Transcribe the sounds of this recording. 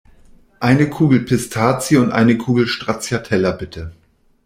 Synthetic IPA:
ʔaɪnəkʰuːɡl̩pʰɪstʰaːt͡sjəʊntʔa̰ɪnəkʰuːɡl̩ʃtʁ̥at͡sjatʰɛlɐbɪtʰə

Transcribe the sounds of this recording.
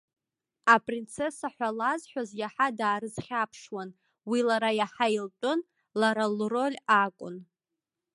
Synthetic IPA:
apʼrint͡sʰe̞saħʷalazħʷᶣazjaħadaːɾɨzχʲapʰʂwan | wilaɾajaħailt͡pʷʼʊn | laɾalro̞lʲakʷʼʊ̰n

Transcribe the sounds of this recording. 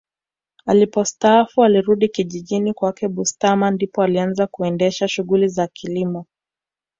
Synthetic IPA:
alipɔstaafualiɾuɗikiʄiʄinikwakɛɓustamandipɔalianzakuɛndɛʃaʃuɣulizakʰilimɔ

